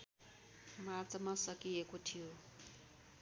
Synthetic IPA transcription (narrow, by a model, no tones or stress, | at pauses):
mat͡samasakijekotʰio